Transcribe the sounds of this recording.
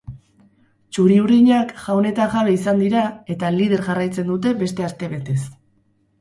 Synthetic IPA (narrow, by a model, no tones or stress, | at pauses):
t͡ʃuɾiuɾiɲakʝawne̞t̪aʝaβe̞isand̪iɾae̞t̪alið̞e̞ɾʝarajt͡se̞nd̪ut̪̬e̞be̞st̪e̞ast̪e̞βe̞t̪e̞s